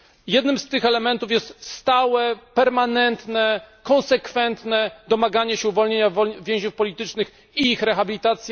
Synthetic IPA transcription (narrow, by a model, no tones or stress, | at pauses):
jɛd̪nɘmst̪ɘxɛlɛmɛnt̪ufjɛst̪st̪awɛpɛɾmanɛnt̪nɛkɔ̃nsɛkfɛnt̪nɛd̪ɔmaɡaɲɛɕɛuvɔlɲeɲavɔvʲjẽʑɲufpɔlʲit̪ɘt͡ʂnɘx | iixɾɛxabʲilʲit̪at̪sʲjɛ